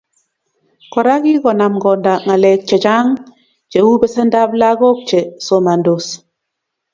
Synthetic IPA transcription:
kɔ˨ɾa˦ɡi˦ɡɔ˨na˨mɡɔ˨nda˨ŋa˨lɛ˨k̚t͡ʃɛ˨t͡ʃa˦ŋ | t͡ʃe˨wu˦bɛ˦sɛ˦nda˦bla˦ɡo˦k̚t͡ʃɛ˨so˨ma˨ndo˨s

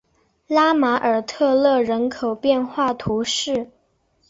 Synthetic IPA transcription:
la˥ma˧˥ʔə˞˨˩t̪ʰɤ˥˧lɤ˥˩ɻə˧˥nkʰo˨˩ʊpjɛ˥˧nxwa˥˩t̪ʰu˧˥ʂɻ̩˥˩

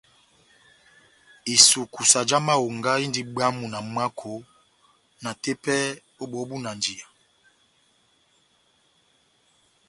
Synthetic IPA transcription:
i˨su˨ku˨sa˨d͡ʒa˦ma˦wo˨ŋɡa˦i˦ndi˦ɓa˦mu˨na˨m˦a˦kʰo˨˦ | na˨te˦pɛ˦ | o˦ɓɔ˨˦bu˦na˨nd͡ʒi˨a˨

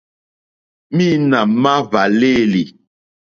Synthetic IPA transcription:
mi˦na˨ma˦va˨le˦˨li˨

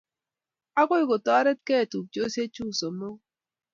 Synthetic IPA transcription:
a˦ko˦i˦ko˨tɔ˦ɾe˦t̚ke˦˨tu˨k̚t͡ʃo˦se˦t͡ʃu˦˨so˨mo˦

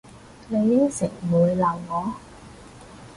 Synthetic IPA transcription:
ne˨˧jːɪ˥ŋsɪ˨˩k̚muː˨˧jla˨˩wŋɔː˨˧

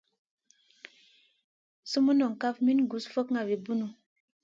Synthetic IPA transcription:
su˦mu˦nɔ˨ŋ˨ka˦fmi˦n˦ɡu˨sfə˦kŋa˨bi˨bu˦nu˨

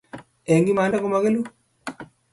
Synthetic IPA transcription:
ɛ˨ŋɡi˦maː˨nda˦ko˦ma˨ke˦lu˦

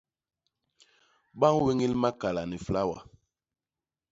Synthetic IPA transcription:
ɓa˦ŋwe˦ŋi˦lma˦ka˨la˨ni˨fla˦wa̰˨

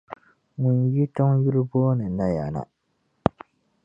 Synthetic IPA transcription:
ŋʊ˨nji˦tɔ˦ŋju˦ɾɨ˦boː˦nɨ˨na˦ja˨na̰˨

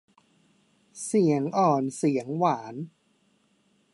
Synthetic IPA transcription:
si˩˦əŋʔɔː˨˩nsi˩˦əŋwaː˩˦n

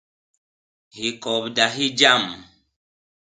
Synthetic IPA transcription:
hi˨kɔ˨bda˨ɦi˦d͡ʒa˦˨m

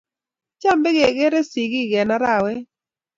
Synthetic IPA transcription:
t͡ʃa˦mbɛ˦ɡe˨ɡɛ˦ɾɛ˦si˨ɡi˦ɡɛ˨na˦ɾa˨wɛ˦

